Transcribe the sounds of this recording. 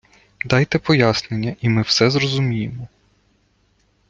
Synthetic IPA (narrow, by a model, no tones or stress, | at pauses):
d̪ɑjt̪ɛpɔjasnenʲːɐʔimɪwsɛzrɔzʊmʲijemɔ